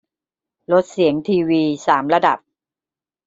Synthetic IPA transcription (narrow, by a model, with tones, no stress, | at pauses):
lo˦˥t̪̚si˩˦əŋt̪ʰiː˧wiː˧saː˩˦mɾa˧da̰˨˩p̚